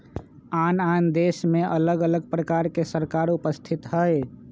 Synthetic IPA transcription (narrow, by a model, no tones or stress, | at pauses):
anand̪esmeʔələɡələɡ̚pɾəkaɾkesəɾkaɾupəst̪ʰit̪ɦəj